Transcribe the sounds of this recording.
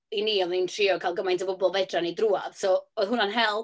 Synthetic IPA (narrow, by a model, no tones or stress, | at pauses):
iniːɔvintʰriːɔkʰalˠɡəmajntʰəbʊbɔlˠvɛdranidruːav̥sɔɔðɦʊnanɦɛlˠ